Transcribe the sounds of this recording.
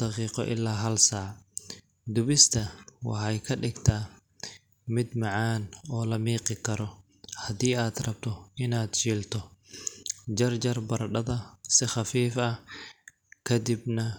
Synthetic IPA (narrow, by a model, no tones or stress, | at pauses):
d̪̥ɐqiːqɔ̰ʔɪ̰lːaːɦɐlsaːʕ | d̪ʊβɪst̪ʰɐwɑ̰ħɑjkʰɐɖɪɡt̪ʰaː | mɪd̪mɑʕaːnɔːlɐmiːqɪkʰɐɾɔ | hɐd̪iːaːd̪rɐb̚t̪ʰɔɪnaːd̪ʃiːlt̪ʰɔ | d͡ʒɐrd͡ʒɐrbɐrɖɐðɐsɪχɑfiːfɐ | kʰɐd̪ɪbnɐ